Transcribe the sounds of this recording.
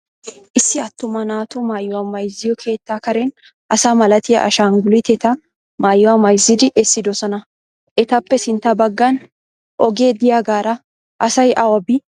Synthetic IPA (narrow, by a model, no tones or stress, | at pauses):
ʔɪsːɪɐt̪ːʊmɐnaːt̪ʊmaːjːʊwɐmːɐjzːɪjɔkʰe̞ːt̪ːakɐɾɛn | ʔɐsamɐlɐt̪ɪjɐ̰ʔɐ̰ʃaːŋɡʊlɪt̪ɛt̪ɐ | maːjːʊwɐmɐjzɪd̪ɪʔɛsːɪd̪ɔsɐnɐ | ʔɛt̪ɐpːɛsɪnt̪ɐbɐɡːan | ʔɔɡeːd̪ɪjaɡaːɾɐ | ʔɐsɐjʔɐwɐbɪ